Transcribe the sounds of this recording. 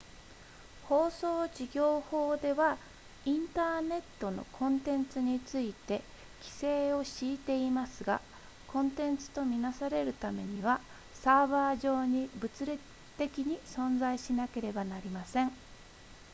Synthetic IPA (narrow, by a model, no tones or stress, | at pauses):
ho̞ːso̞ːd͡ʑiɡʲo̞ːho̞ːd̪e̞βa | ĩnt̪aːne̞t̪ːo̞no̰kʰõ̞nt̪ẽ̞nt͡sɨɲ̟it͡sɨit̪e̞ | kʲi̥se̞ːo̞ɕiːt̪e̞imasɨɡa̰ | kʰõ̞nt̪ẽ̞nt͡sɨ̥t̪o̞mʲinasaɾe̞ɾɯ̟t̪ame̞ɲ̟iβ̞a | saːβaːʑo̞ːɲ̟ibɯ̟t͡sɨɾe | t̪e̞kʲiɲ̟isõ̞nd͡zaiɕinake̞ɾe̞banaɾʲimasẽ̞ŋ